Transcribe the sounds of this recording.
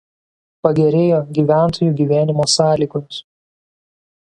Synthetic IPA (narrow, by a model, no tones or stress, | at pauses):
pɐɡʲɛɾʲeːjoːɡʲiːʋʲæˑnˑt̪ʰoːjuːɡʲiːʋʲæːnʲɪmoːsɑːlʲiːɡɔms